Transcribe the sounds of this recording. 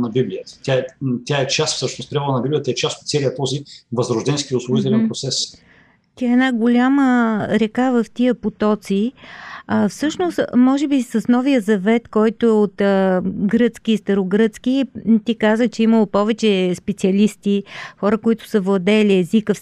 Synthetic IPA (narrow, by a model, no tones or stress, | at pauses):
nɐbiblʲijət̪ə̥t̪ʲjaɛt̪ʲjaɛt͡ʃast̪fsɤʃnos̚pɾʲavəlˠənɐbiblijət̪ɛt͡ʃast̪ot̪t̪sɛlijət̪ɔzivɐzɾoʒd̪ɛnskiʊslˠoit̪ɛlɛnpɾot̪sɛs | t̪ʲiəɛnaɡolʲaməɾɛkavəft̪iəpot̪ɔt̪si | əfsɤʃnost̪mɔʒɛbisəsnɔvijəzɐvɛt̪kɔjt̪ʊɛot̪əɡɾɤt̪sk̟ʲiːst̪ɐɾoɡɾɤt̪sk̟it̪ikazət͡ʃɛiməlˠopɔvɛt͡ʃɛspɛt̪siɐlist̪ixɔɾəkoit̪ʊ̥səvlˠɐd̪ɛliɛzikə